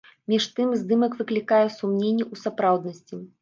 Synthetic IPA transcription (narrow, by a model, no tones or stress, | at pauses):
mʲiʂt̪ɨmzʲd̪ɨmɐkvɨklʲikajɛsumnʲenʲːiʔusapɾawd̪nɐsʲt͡sʲi